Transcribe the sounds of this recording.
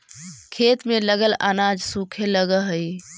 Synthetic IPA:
kʰet̪meləɡəla̰nad͡ʒsukʰeləɡəɦəj

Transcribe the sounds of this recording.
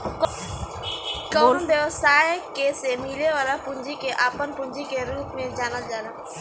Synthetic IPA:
k | kɔːnbjəʋsaːjkesemiːleʋaːlapʊ̃ɲd͡ʒikeʔaːpənpʊ̃ɲd͡ʒikeɾuːpmẽd͡ʒaːnəld͡ʒaːna

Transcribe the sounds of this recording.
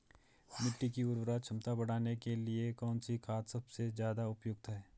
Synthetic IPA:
mɪʈːikiʊɾbɾat͡ʃʰɐmt̪abɐɽaːnekeliekɔːnsikʰaːt̪sɐbsezjaːd̪aʊpjʊɡ̚t̪ɦɛː

